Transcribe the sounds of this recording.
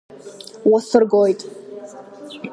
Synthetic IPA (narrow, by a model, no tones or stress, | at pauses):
wasɨrɡojtʼ